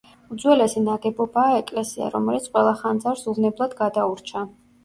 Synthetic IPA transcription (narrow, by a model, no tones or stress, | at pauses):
ud̪zwɛlɛsinaɡɛbɔbaːɛkʼlɛsia̰ɾɔmɛlit̪sʰqʼwɛlˠaχand̪zaɾsuvnɛblˠad̪ɡad̪auɾt͡ʃʰa